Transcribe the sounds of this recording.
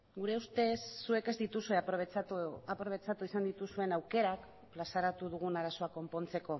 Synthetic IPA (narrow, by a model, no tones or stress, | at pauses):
ɡuɾe̞ust̪e̞sːue̞ke̞zd̪it̪usue̞pβapɾo̞β̞e̞t͡sat̪uisand̪it̪usue̞nawke̞ɾak | plasaɾat̪uðuɣ̞unaɾaso̞ako̞mpo̞nt͡se̞ko̞